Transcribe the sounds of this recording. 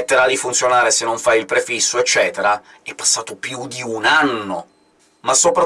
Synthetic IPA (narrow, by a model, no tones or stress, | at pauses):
t̪ːeɾalifunt̪sjonaːɾesenːoɱfajilpɾefisːoet͡ʃːɛːt̪eɾa | ɛpːḁsːaːt̪opjud̪iunanːo | masːopɾa